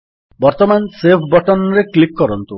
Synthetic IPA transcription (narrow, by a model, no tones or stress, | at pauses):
bɔɾt̪ɔmansepʰbɔʈɔnɾeklikːɔɾɔnt̪u